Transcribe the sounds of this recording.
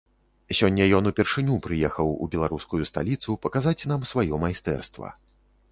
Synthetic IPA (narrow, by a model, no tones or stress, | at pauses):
sʲɔnʲːɐjɔnupʲɛrʂɨnʲupɾɨjɛxɐwṵbʲɛlˠaɾuskujust̪a̰lʲit̪supɐkazat͡sʲnamsvajɔmajst̪ɛ̰rst̪vɐ̰